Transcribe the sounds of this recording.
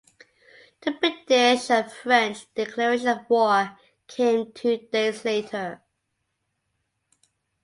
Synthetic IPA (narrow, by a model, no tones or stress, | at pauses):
ðəbɹɪdɪʃəfɹɛ̃nt͡ʃd̥ɪkʰl̥ɛɹɪʃənəvwɔɹ | kʰẽɪ̃mtʰʉd̥eɪzleɪtʰə˞